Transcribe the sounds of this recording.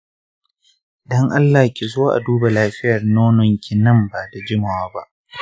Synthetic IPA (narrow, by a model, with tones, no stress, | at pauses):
dɔ˦ŋʔa˦lːa˨hkʲi˨zoː˦ʔa̰˨duː˦ba˨laː˦ɸɪ˦jɐ˨rnoː˦nɔ˨ŋkʲi˨nɐ˦mba˨ta˨d͡ʒɪ˦ma˨waː˦ba˦ʔ